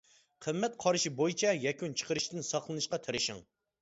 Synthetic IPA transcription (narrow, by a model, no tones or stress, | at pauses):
qʰəmːɛt̪̚qʰɑɾɨʃibojit͡ʃʰɛjɛkʲynt͡ʃʰə̥qʰəɾɨʃt̪ɪnsɑχlˠɨnɨʃqɑt̪ʰɪɾɪʃɪ̰ŋ